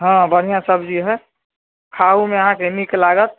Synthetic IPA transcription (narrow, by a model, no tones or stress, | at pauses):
ɦãbənijãsəbʱd͡ʒiɦɛ | kʰaumeəɦãkemiklaɡət̪̚